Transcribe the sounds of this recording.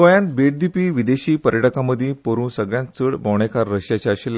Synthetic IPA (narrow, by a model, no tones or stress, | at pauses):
əjãnt̪beʈ̚d̪ipiːʋid̪eɕiːpəɾjəʈəkaməd̪ʱipoɾuːnsəɡɭjãnt͡səɽbɔwɳ̃ekʰaɾːəɕjat͡ɕaəɕelː